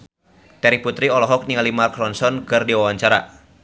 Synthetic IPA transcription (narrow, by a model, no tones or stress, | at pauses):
t̪ɛɾiput̪ɾiɔlɔɦɔk̚niŋalimakɾɔnsɔnkɨrdiwawaɲt͡ʃaɾa̰